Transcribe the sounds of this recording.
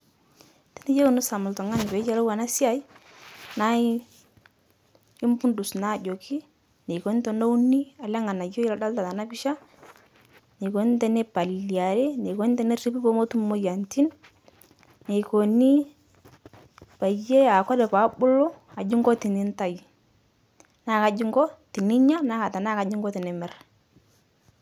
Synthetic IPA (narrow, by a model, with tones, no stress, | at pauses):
tɛ̥˦ni˦je˦ku˨nu˦sa˨mʊ˨ltɔ˨ŋa˦n˨pe˨˦t͡ʃa˦lo˦wa˨na˦si˦a˦i˦ | na˦ | i˦mpu˦ndu˨sna˨˦˨d͡ʒo˨kʰi˦ | ne˨ko˨ni˦tɔ˨no˦u˦ni˦a˨lɛ˦ŋa˨na˨jo˦i˦la˨da˦lta˨ta˨na˦bi˦ʃa˦ | ne˨ko˨˦ni˦tɛ˦nɛ˦pa˨li˨a˨ɾe˦ne˨ko˨˦ni˦tɛ˦ne˦ri˦pi˦po˦mo˦tu˦m˦mo˦ja˨nti˦n | e˨ko˨ni˦ | pa˨je˦a˨kɔ˦ɾɛ˨pa˨˦bʊ˦lɔ˦ | a˨d͡ʒi˦ŋɡɔ˦ti˨ni˦nta˨j | naː˦˨ka˨d͡ʒi˦ŋɡɔ˦ti˨ni˦ɲa˦na˦ka˨ta˨na˦˨ka˨d͡ʒi˦ŋɡɔ˦tɛ˨nɛ˨mɛ˦r